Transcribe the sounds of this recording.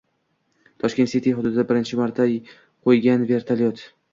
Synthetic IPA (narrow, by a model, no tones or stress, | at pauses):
t̪ʰɒʃkʲe̞nt̪sit̪ʰijɦʊd̪ʊd̪ɪd̪abɪɾɪnt͡ʃʰɪmaɾt̪ʰːa | qʰojɡʲanve̞ɾt̪ʰaljot̪